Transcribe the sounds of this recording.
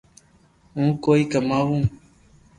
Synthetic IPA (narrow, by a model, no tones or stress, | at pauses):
ũːkoːiːkəmaːʋũː